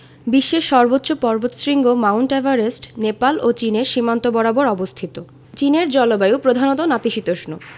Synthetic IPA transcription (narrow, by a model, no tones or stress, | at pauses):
biʃːeʃɔɾbotːɕopɔɾbot̪ʃɾiŋɡomawɳʈevaɾesʈnepalʔot͡ɕineɾʃimant̪obɔɾaboɾɔbost̪ʰit̪o | t͡ɕineɾd͡ʑɔlobajupɾod̪ʱanot̪onat̪iʃit̪oʃno